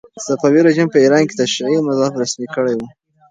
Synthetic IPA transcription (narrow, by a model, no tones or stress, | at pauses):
safɑwiɾaʒimpəiɾɑnke̥t̪aʃɾiʕimazɑɪfɾasmikəɽajwu